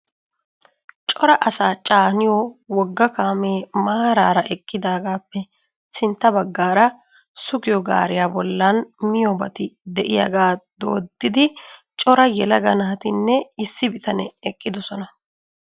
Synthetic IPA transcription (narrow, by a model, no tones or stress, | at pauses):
t͡ʃʼɔɾɐʔɐsaːt͡ʃʼaːnɪjɔwɔɡːɐkaːmeːmaːɾaːɾɐʔɛkʼːɪd̪aːɡaːpːɛ | sɪnt̪ːɐbɐɡːaːɾɐ | sʊkɪjɔɡa̰ːɾɪjaːbɔlːanmɪjɔbɐt̪ɪd̪ɛʔɪja̰ɡaːd̪o̰ːd̪ːɪd̪ɪt͡ʃʼɔɾɐjɛlɐɡɐnaːt̪ɪnːɛɪsːɪbɪt̪ɐnɛɛkʼːɪd̪ɔsɔnɐ